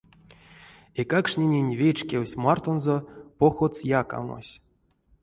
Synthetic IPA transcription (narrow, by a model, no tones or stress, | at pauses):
ekakʂnʲenʲenʲvʲet͡ʃkʲewsʲmart̪onzopoxot̪sjaka̰no̰sʲ